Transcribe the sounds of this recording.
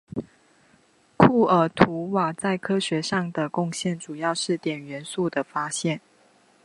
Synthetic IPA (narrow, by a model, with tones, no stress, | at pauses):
kʰu˥˩ə˨˥t̪ʰu˧˥wa˨˩t͡sa˥˩ɪkʰɤ˥ɕɥɛ˨˧˥ʂɑ˥˩ŋd̪ə˩kʊ˥˧ŋɕjɛ˥˩nʈ͡ʂu˨˩jɑ˥˧ʊʂɻ̩˥˩t̪jɛ˨˩nɥɛ˧˥nsu˥˩d̪ə˩fa˥ɕjɛ˥˩n